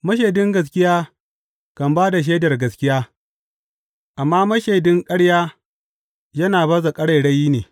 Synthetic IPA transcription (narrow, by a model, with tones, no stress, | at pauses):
mɐ˦ʃ̬eː˨dɪ˦ŋɡɐ˨s̬kʲɪ˦jaː˦ | kɐ˨mbaː˦da˨ʃ̬eː˦dɐ˨rɡɐ˨skʲɪ˦jaː˦ | ʔa˨mːaː˦mɐ˦ʃeː˨dɪ˦ŋkʼɐ˦ɽjaː˦ | jɐ˦naː˨bɐ˦za˨kʼɐ˦ɽɐ˨jɽɐ˦jiː˦neː˨